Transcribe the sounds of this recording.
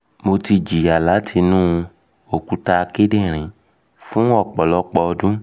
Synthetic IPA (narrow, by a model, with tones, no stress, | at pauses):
mo˧ti˧d͡ʒi˨a˨la˨˦tʰi˧nũ˦˧ | o˨ku˨˦ta˧ke˦dẽ˦˨ɾ̃ĩ˨ | fũ˦ɔ˦˨k͡pɔ˨lɔ˦k͡pɔ˧dũ˦